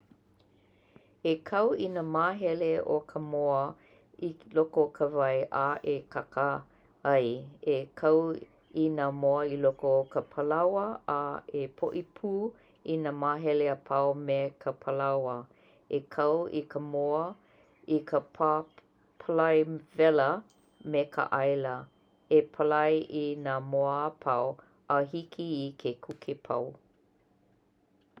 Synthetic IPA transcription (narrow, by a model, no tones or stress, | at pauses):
ekʰɐwinamaːɦɛleo̰kʰəmoə | ilokokʰəvɐjʔaʔekʰakə | ɐjekʰɐw | inamoəilokokʰəpʰəlɐwəaepʰo̰ʔipʰuː | inamaːɦɛleəpʰaomekʰəpʰəlɐwə | ekʰɐwikʰəmoɐ | ikəpʰa | pʰəlɐjvɛlə | mekʰə̰ʔɐjlɐ | epʰəlɐjʔinaːmoəːpʰɐw | ʔɐɦikʰiːkʰekʰukʰepʰɐ̰w